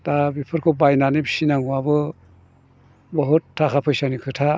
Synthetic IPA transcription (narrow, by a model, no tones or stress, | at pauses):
tabipʰɯɾkʰɯbajnanibi̥sinaŋuwabɯ | bɔɦutʰːakʰapʰɯjsanikʰɯtʰa